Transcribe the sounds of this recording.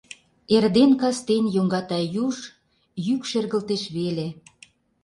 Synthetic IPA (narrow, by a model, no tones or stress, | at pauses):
erd̪enkɑst̪enjoŋɡɑt̪ɑjuʃ | jykʃerɣə̆lt̪eʃβele